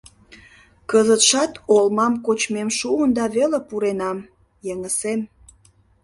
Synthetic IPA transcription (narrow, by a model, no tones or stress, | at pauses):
kəzət̪ʃɑt̪olmɑmkot͡ɕmemʃuənd̪ɑβelepuɾenɑm | jeŋəsem